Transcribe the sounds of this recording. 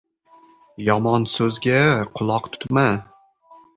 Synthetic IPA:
jɒmɒnsɵzɡʲaqʰʊlˠɒqt̪ʰʊ̥t̪ma

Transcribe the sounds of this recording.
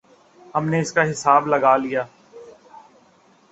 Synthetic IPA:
hɐmneɪskaɦɪsaːblɐɡaːlijaː

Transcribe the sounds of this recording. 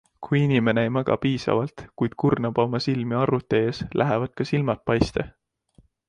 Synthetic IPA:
kʰujinime̞neejmæɡ̥ɑ̰piːsɑ̰vɑlt̪kujd̪̥̚kurnɑb̥ɑmɑsilmiɑrut̪ːˑe̞eslʔæɦevɑd̪̥̚kɑsilmɑt̪̚pɑjst̪ḛ

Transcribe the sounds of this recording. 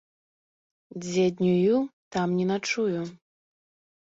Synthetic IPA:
d͡zʲɛd̪ʲnʲujut̪amnʲɛnat͡ʂuju

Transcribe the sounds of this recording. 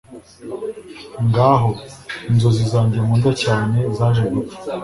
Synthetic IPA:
ŋɡaːɦoinzo̞zizaːɲɟemuːndacaːne̞zaːʒeɡufḁ

